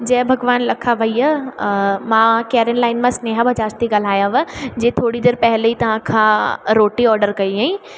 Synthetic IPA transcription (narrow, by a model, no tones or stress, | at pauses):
d͡ʒɛːbʱɐɡʋaːnlɐkʰaʋɐijə | mãːkɛːɾənlaːɪnmãsneːɦabʱɐd͡ʒaːɾst̪iɡɐl̤aːjãʋə̃d͡ʒeːt̪ʰoːɽid̪eːɾpɛɦleit̪ɐʋ̤ãkʰãɾoːʈiɔːɾɖəɾkɐiɦeĩ